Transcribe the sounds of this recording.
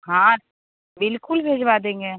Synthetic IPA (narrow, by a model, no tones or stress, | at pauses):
ɦã | bɪlkʊlbʱeːd͡ʒʋad̪ẽːŋɡe